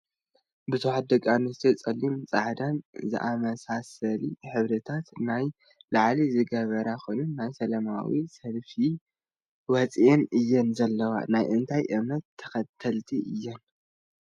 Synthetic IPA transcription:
bɨzuħat̪̚d̪ɐkʼːamnɨst̪ʰot͡sʼɐlːimt͡sʼaʕd̪anzɨ̰ʔamɐsasɐliħɨβɾɐt̪ʰat̪naj | laʕlizɨɡɐβɐɾaxojnunːajsɐlɐma̰wisɐlfi | wɐt͡sʼienʔɨjːɛnzɐlːɐwa̰najʔɨnt̪ʰajʔɨmnɐt̪ʰːɐ̥xɐt̪ʰːɐlt̪ʰiʔɨjːɛn

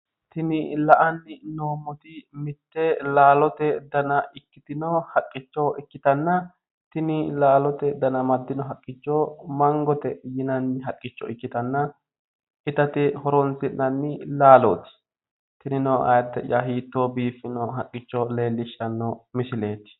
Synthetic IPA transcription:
t̪ɪnɪlɐʔɐnːɪnoːmːɔt̪ɪmɪt̪ːɛlaːlɔt̪ɛd̪ɐnɐɪkːɪt̪ɪnɔhɐkʼːɪt͡ʃːɔʔɪkːɪt̪ɐnːɐ | t̪ɪnɪlaːlɔt̪ɛd̪ɐnɐmɐd̪ːɪnɔɦɐkʼːɪt͡ʃːɔmɐŋɡɔt̪ɛjɪnɐnːɪɦɐkʼːɪt͡ʃːɔɪkːɪt̪ɐnːɐ | ɪt̪ɐt̪ɪhɔɾɔnsɪnːɐnːɪlaːlɔ̰ːt̪ɪ̥ | t̪ɪnɪnɔʔɐ̰jɐt̪ːɛjɐɦiːt̪ːobiːfːɪnɔɦɐkʼːɪt͡ʃːɔle̞ːlːɪʃːɐnːɔmɪsɪle̞ːt̪ɪ̥

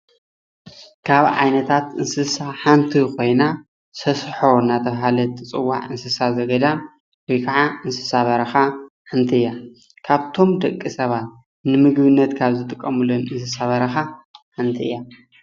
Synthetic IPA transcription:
kʰaβʕa̰jnɐt̪ʰat̪ʔɨnsɨsaħant̪ʰikʰo̞jna | sɐsħo̞nat̪ʰɐβɦalɐt̪ʰɨt͡sʼɨwːa̰ʕɨnsɨsazɐɡɐd̪a | wojkʰaʕaʔɨnsɨ̥saβɐɾɐxa | ħɨnt̪ʰiɨjːa | kʰaβt̪ʰo̞md̪ɐkʼːisɐβat̪̚ | nɨmɨɡbɨnːɐt̪kʰaβzɨt̪ʼɨkʼːɐmɨlonɨnsɨsaβɐɾɐxaħant̪ʰiɨ̰jːa

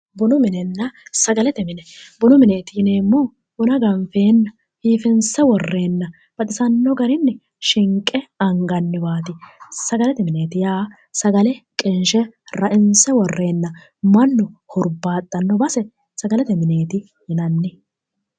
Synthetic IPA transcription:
bʊnʊmɪnɛnːɐsɐɡɐlɛt̪ɛmɪnɛbʊnʊmɪne̞ːt̪ɪjɪneːmːɔ | bʊnɐɡɐɱfeːnːɐ | hiːfɪnsɛwɔrːe̞ːnːɐ | b̥ɐt̪ʼɪsɐnːɔɡɐɾɪnːɛ | ʃɪŋkʼːɛɐŋɡɐnːɪbaːt̪ɪsɐɡɐlɛt̪ɛmɪne̞ːt̪ɪjaː | sɐɡɐlɛkʼɪnʃɛɾɐʔɪnsɛwɔrːe̞ːnːɐ | mɐnːɔhɔɾbaːt̪ʼːɐnːɔbɐsɛ | sɐɡɐlɛt̪ɛmɪne̞ːt̪ɪ | jɪnɐnːɪ

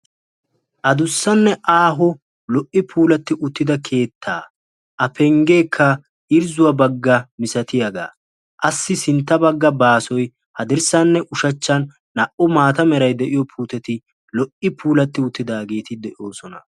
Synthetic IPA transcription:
ʔɐd̪ʊsːɐnːɛʔaːɦɔ | lɔʔɪpʰuːlɐt̪ːɪʔʊt̪ːɪd̪ɐkʰe̞ːt̪ʰːa̰ː | ʔɐpʰɛŋɡe̞ːkʰːɐ | ʔɪɾzʊwɐbɐɡːɐmɪsɐt̪ɪjɐɡa̰ː | ʔɐsːɪsɪnt̪ːɐbɐɡːɐbaːsɔj | hɐd̪ɪɾsɐnːɛʔʊʃɐt͡ʃːɐnː | ɐʔɔmaːt̪ɐmɛɾɐjd̪ɛʔɪjɔpʰuːt̪ɛt̪ɪ | lɔʔɪpuːlɐt̪ːɪʊt̪ːɪd̪aːɡe̞ːt̪ɪd̪ɛʔo̞ːsɔnɐ

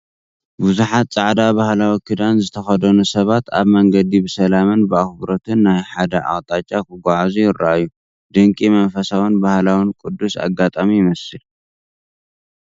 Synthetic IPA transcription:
buzuħat̪t͡sʼaʕd̪abahlawikʰɨd̪anzɨt̪ʰɐxɐd̪ɐnusɐβat̪aβmɐŋɡɐd̪ibɨsɐlamɨnbɨaxbɨɾot̪ʰɨnːajħad̪ɐʔa̰ɣʼt̪ʼat͡ʃʼːakʰɨɡʷaʕazujɪɾːa̰ʔajːu | d̪̥ɨŋkʼimɐnfɐsawinbahlawinkʼud̪ːusa̰ɡat̪ʼamijɪmɐsɨl

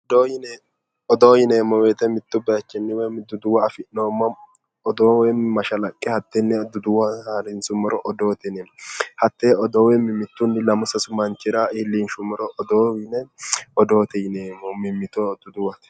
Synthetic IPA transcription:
ɔd̪ojɪnɛ | ɔd̪oːjɪneːmːɔweːt̪ɛmɪt̪ːʊbɐjɐt͡ʃːɛnːɪwɛmd̪ʊd̪ʊwɐɐfɪʔnoːmːɐ | ɔd̪oːwɛmɐʃɐlɐkʼːɛhɐt̪ːɛnːɛd̪ʊd̪ʊwɐhaɾɪnsʊmːɔɾɔʔɔd̪oːt̪ɛnɛhɐt̪ːeːɔd̪oːwɛmɪmːɪt̪ːʊnːɪlɐmʊsɐsʊmɐnt͡ʃːɪɾaʔɪlːɪnʃʊmɔɾɔʔːd̪oːwɪnɛɔd̪o̞ːt̪ɛjɪneːmːɔmɪmːɪt̪od̪ʊd̪ʊwɐt̪

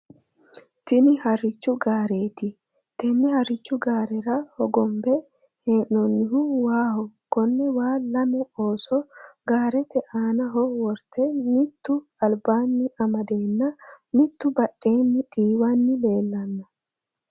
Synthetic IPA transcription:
t̪ɪnɪhɐɾːɪt͡ʃːʊɡaːɾe̞ːt̪ɪ | t̪ɛnːɪhɐɾːɪt͡ʃːʊɡaːɾɛɾɐhɔɡɔmbɛ | heːʔɔnːɪɦʊwaːhɔkɔnːɛwaːlɐmɛoːsɔɡaːɾɛt̪ɛʔaːnɐɦɔwɔɾt̪ɛmɪt̪ːʊɐlbaːnːɪʔɐmɐd̪e̞ːnːɐ | mɪt̪ːʊbɐʔːe̞ːnːɪᶑʼiːwanːɪle̞ːlːɐnːɐ

